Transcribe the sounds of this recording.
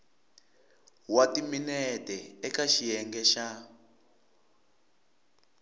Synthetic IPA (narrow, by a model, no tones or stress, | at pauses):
watiminɛtɛɛkaʃijɛŋɡɛʃa